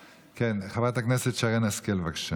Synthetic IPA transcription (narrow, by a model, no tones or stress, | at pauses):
kenχavat̪akneset̪ʃaʁenaskelvakʃa